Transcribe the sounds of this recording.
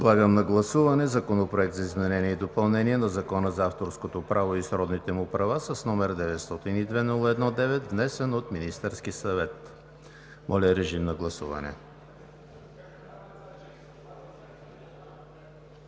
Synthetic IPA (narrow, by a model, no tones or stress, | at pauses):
d̪lˠaɡəmnɐɡlˠɐsuvɐnɛzɐkonopɾoɛk̚t̪zɐizmɛnɛniɛid̪opɐlˠnɛniɛnɐzɐkɔnəzaft̪oɾskot̪opɾʔavoisɾɔd̪nit̪ɛmʊpɾɐvasɐsnɔmɛɾd̪ɛvɛt̪st̪ɔt̪inid̪vɛnulˠəɛd̪nɔd̪ɛvɛt̪vnɛsɛnot̪minist̪ɛɾskisɐvɛt̪ | mʔɔlʲəɾɛʒimnɐɡlˠɐsṵvɐ̰nɛ̰